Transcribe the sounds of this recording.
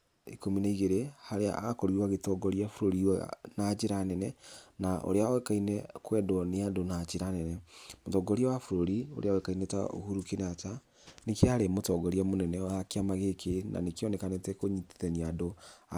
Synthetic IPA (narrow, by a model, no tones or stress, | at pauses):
ikominaiɣeɾehaɾea̰akɔɾiɾwaɣetɔɡɔɾiafuɾoɾiwanad͡ʒeɾanɛnɛnaʔo̰ɾeaoɛkainɛkwɛdɔneadonad͡ʒeɾanɛnɛmotɔɡɔɾiawafuɾoɾio̰ɾeaoɛkaineta̰o̰huɾukenata | nekeaɾemotɔɡɔɾiamonɛnɛakeamaɣekena̰nekeɔnɛkanetɛkoɲitiðɛɲiadoa